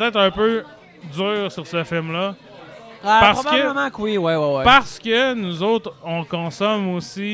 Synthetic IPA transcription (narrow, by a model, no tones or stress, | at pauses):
pt̪ɛːt̪χɛ̃pø | d͡zyːʁsyʁsəfɪlmlʌ | apaʁsɔəakələmãkwiwiwiwpaʁsə̥kʲənuzoʊt̪χɔ̃kɔ̃sɔmosi